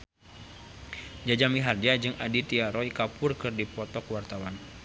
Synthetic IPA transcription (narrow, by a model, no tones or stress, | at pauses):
d͡ʒad͡ʒamiɦard͡ʒad͡ʒɨŋadit̪iaɾɔikapʊrkɨrdipɔt̪ɔkwart̪awan